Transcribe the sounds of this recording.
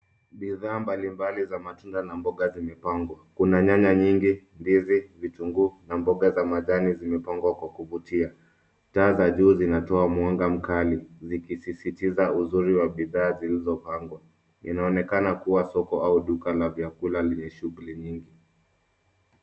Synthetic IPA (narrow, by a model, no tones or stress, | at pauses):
ɓiðaːmbalimbalizamatundanambɔɠazimɛpaŋɡwakunaɲaɲaɲiŋɡindizivituŋɡunambɔɠazamaʄanizimɛpaŋɡwakwakuvutia | taːzaʄuːzinatɔamwaŋɡam̩kalizikisisitizauzuɾiwaɓiðaːzilizɔpaŋɡwa | ḭnaɔnɛkanakuwasɔkɔauɗukalavjakulalɛɲɛʃuɣlɛɲiŋɡi